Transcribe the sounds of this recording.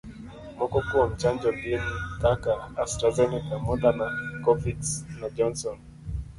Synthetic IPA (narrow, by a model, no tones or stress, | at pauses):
mɔkɔkuɔm̩t͡ʃand͡ʒɔɡinitakaːstɾazɛnikamɔdanakɔfitsnad͡ʒɔnsɔn